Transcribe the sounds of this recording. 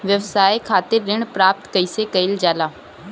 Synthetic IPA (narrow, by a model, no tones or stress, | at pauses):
ʋjəʋsaːjkʰaːt̪ɪɾːɪɳ̃pɾaːp̚t̪kəɪsekɐɪld͡ʒaːlaː